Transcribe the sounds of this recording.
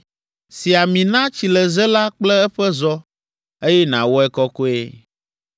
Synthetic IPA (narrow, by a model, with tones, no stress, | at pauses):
si˨a˨mĩ˨nã˦t͡ɕi˨lɛ˨zɛ˦la˦k͡plɛ˦ɛ˦ɸɛ˦zɔ˦ | e˦jɛ˦nã̰˨wo˦ɛ˦kɔ˦ko˦e˦